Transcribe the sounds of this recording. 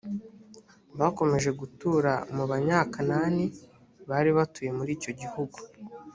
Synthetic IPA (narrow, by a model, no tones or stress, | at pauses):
βaːko̞me̞ʒe̞ɡutuːɾamuβaɲaːkanani | βaːɾiβatuje̞muɾiːco̞ɟihuɡu̥